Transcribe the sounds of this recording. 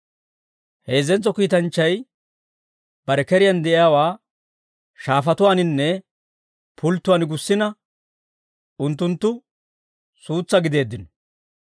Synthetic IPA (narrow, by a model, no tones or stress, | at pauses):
he̞ːzɛnt͡sʼːɔkiːt̪ɐnt͡ʃːɐj | b̥ɐɾɛkɛɾɪjɐnd̪ɛʔɪjaːwaː | ʃaːfɐt̪ʊwaːnɪnːɛ | pʰʊlt̪ːʊwaːnɪɡʊsːɪnɐ | ʊnt̪ːʊnt̪ːʊ | suːt͡sːɐɡɪd̪e̞ːd̪ːɪnɔ